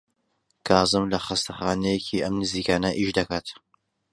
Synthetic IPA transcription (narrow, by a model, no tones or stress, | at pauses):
kʰaːzɨmlɐχɨst̪ɐχaːnejecʰiɐmnɨziːkaːnɐʔiʃd̪ɐkaːt̪